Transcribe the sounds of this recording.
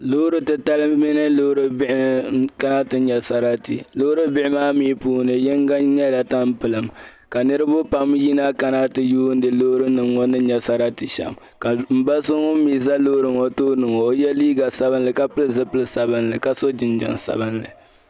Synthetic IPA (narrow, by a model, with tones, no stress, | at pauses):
lo˦ɾɨ˦tɨ˨ta˦lɨ˦mi˦nɨ˦loː˦ɾɨ˦bɪ˦ʔka˦na˦tɨ˦ɲɛ˨sa˦ɾa˦tḭ˨lo˦ɾɨ˦bɪ˦ɪ˦maː˦miː˦puː˦nɨ˨jɛ˦ŋɡa˦ɲɛ˦la˨ta˦mpɨ˨lɨ˨m | ka˨nɨ˦ɾɨ˦bʊ˦pa˨mji˦na˦ka˦na˦tɨ˨juː˦n˦dɨ˨loː˦ɾɨ˦nɨ˨ŋːɔ˦nɨ˦ɲɛ˨sa˦ɾa˦tɨ˨ʃɛ̰˨m | ka˨m̩˨ba˦so˦ŋɔ˦miː˨za˦lo˦ɾɨ˨ŋɔ˦toː˦nɨ˨ŋɔ˨o˦jɛ˦liː˦ɡa˨sa˦bɨ˦n˦lɨ˨ka˦pɨ˦lɨ˨zɨ˦pɨ˦lɨ˨sa˨bɨ˦n˦lɨ˨ka˦so˦d͡ʒɪ˨nd͡ʒɪ̰˨ŋsa̰˨bɨ˦n˦lɨ̰˨